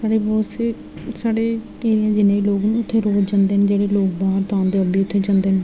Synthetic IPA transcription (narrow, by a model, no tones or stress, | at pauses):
ssaːɽeːbɔːseː | saːɽeːkeːɾijãːd͡ʒɪnːẽːiloːɡnũːʊt̪ʰːeːɾoːtd͡ʒãːnd̪eːnd͡ʒeːɽeːloːɡ̚baːɦəɾt̪ãːnd̪eːəbiːʊt̪ʰːeːd͡ʒãːnd̪eːn